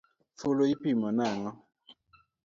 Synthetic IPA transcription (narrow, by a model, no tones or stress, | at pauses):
foloipimɔnaŋɔ